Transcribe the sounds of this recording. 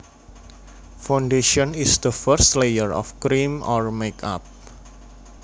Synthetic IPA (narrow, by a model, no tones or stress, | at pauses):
fawnɖeʃɔnisd̪əfəɾst̪lejəɹɔ̰fkɾimɔrmeka̰p̚